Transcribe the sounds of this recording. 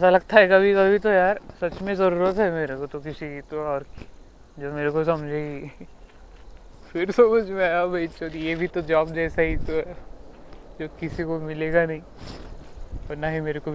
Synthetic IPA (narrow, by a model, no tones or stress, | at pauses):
ɛːsalɐɡ̚t̪aɦɛkɐbʱikɐbʱit̪ojaːɾsɐt͡ʃmẽzɐɾuːɾət̪ɦɛmeːɾekot̪okɪsikit̪oɔːɾki | d͡ʒoːmeːɾekosɐmd͡ʒʱe | fɪɾsɐmɐd͡ʒʱmẽaːjabʱɐt͡ʃot̪jebʱit̪od͡ʒɔːbd͡ʒɛːsaɦit̪oɦɛ | d͡ʒoːkɪsikomɪleːɡanɐɦĩː | ɔːɾnaɦimeːɾeko